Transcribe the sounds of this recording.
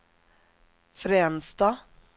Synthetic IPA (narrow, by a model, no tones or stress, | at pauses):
fɾeːmsd̪ɑː